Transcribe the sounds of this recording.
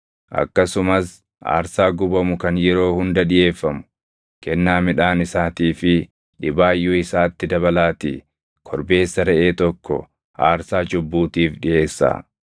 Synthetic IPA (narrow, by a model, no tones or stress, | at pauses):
ʔɐ̰kːɐsʊmɐs | ʔa̰ːɾsaːɡʊbɐmʊkɐnjɛɾo̞ːhʊnd̪ɐᶑɪje̞ːfːɐmʊ̥ | kɛnːaːmɪᶑaːnɪsaːt̪iːfɪ | ᶑɪbaːjːʊɪsaːt̪ːɪd̪ɐβɐlaːt̪ḭ | kʰɔɾbe̞ːsːɐɾɛʔeːt̪ɔkːɔ̰ | ʔa̰ːɾsaːd͡ʒʊbːuːt̪iːfᶑɪʔe̞ːsːa̰ː